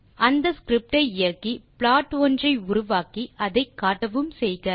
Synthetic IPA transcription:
ɐnd̪ɐskɾɪp̚ʈɐɪɪjɐrkipɭaːʈondrɐɪʊɾʊʋaːkiɐðɐɪkːaːʈːɐʋɯmsɛjɣɐ

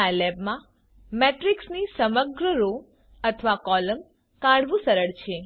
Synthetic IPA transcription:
alɛbmã | meʈɾiksnisəməɡɾəɾo | ət̪ʰəʋakɔləm | kãɽʋũsəɾəɭt͡ʃʰe

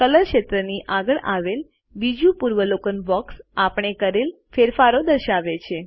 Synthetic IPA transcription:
kələɾʃet̪ɾəniʔaɡəɭaʋel | ʋid͡ʒupuɾʋəlokənbɔksapɳ̃ekəɾel | feɾfaɾod̪əɾʃaʋet͡ʃʰe

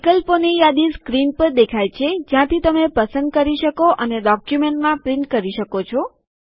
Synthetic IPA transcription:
ʋikəlponijad̪iskɾinpəɾd̪ekʰajt͡ʃʰed͡ʒjãt̪ʰit̪əmepəsənd̪̚kəɾiʃəkoʔəneɖɔkjumeɳʈmãpɾiɳʈkəɾiʃəkot͡ʃʰɔ

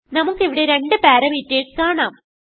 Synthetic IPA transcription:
nɐmukːeʋiɽe̞ɾeɳɖɨpaːɾɐmitːeːʈkaːɳaːm

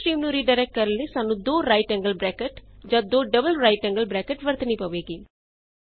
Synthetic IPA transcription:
ɾiːmnũɾiːɖaːɾɛːk̚ʈ̚kəɾəlesaːnũːd̪oːɾaːɪʈɛ̃ːŋɡəlbɾɛːkəʈd͡ʒãːd̪oːɖəbəlɾaːɪʈɛ̃ŋɡəlbɾɛːkəʈʋəɾt̪nĩːpəʋeːɡiː

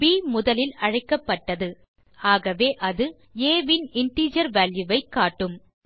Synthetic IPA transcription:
biːmʊðɐlɪlɐɻɐɪkːɐpːɐʈːɐðɯ | aːɣɐʋeːʔɐðɯ | eːʋɪnɪnʈ̪iːd͡ʒɐɾʋaːljɯʋɐɪkːaːʈːɯm

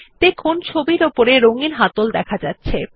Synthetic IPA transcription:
t̪ekʰont͡ɕʰobiɾopoɾeɾoŋiɾɦat̪old̪ɛkʰad͡ʑatːɕʰe

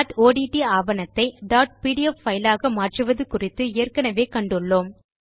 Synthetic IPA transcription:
ʈoːɽiːʈiaːbɐnɐt̪ːɐɪɖaːʈ̚piːɽiɛfːɐɪlaːɣɐmaːʈrɯʋɐðɯkʊrɪt̪ːɯeːrkɐnɐʋeːkɐɳɖɯɭːoːm

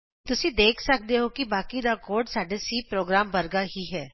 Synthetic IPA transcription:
t̪ʊsĩd̪eːkʰsɐk̚d̪eɦokibaːkiɾaːkoːɾɖsaːɖesipɾoːɡɾaːmbɐɾɡaɦiɦɛː

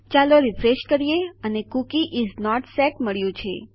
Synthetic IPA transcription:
t͡ʃaloɾifɾeʃkəɾijeənekukiʔiznɔʈsɛʈməɭjũt͡ʃʰḛ

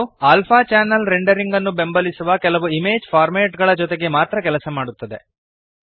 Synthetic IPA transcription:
aːlpʰaːt͡ʃaːnɐlɾeɳɖɐɾiŋɡɐnːubembɐlisuʋɐkɛlɐʋuimeːd͡ʒpʰaːɾmeːʈɡɐɭɐd͡ʒɔt̪eɡe̞maːt̪ɾɐkɛlɐsɐmaːɽut̪ːɐd̪e̞̰

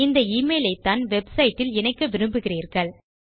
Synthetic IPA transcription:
ɪnd̪ɐiːmeːlɐɪt̪ːaːnʋɛbsɐjɪʈːɪlɛnɐɪkːɐʋɪɾɯmbɯɣɪriːɾɣɐɭ

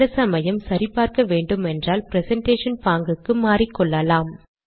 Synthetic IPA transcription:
ɐsɐmɐjɐmsɐɾɪpːaːɾkɐʋeːɳɖɯmɛndraːlpɪɾɛsɐɳʈeːʂɐnpaːŋɡɯkːɯmaːɾɪkːɔɭːɐlaːm

